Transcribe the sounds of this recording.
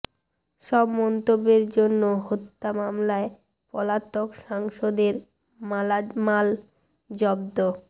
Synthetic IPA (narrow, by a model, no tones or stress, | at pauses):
ʃɔbmɔnt̪obːeɾd͡ʑonːoɦot̪ːamamlae | pɔlat̪okʃaŋʃod̪eɾ | mamal | d͡ʑɔbd̪o